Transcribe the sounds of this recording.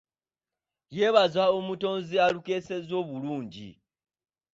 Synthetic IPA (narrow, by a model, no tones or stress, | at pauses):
je̞ːβazaomuto̞ːnzialuke̞ːse̞zo̞ːβuluːɲɟḭ